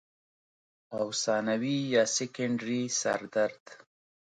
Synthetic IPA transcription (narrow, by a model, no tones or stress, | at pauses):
awsɑnawijɑsɪkaɳɖɾisa̰ɾd̪aɾd̪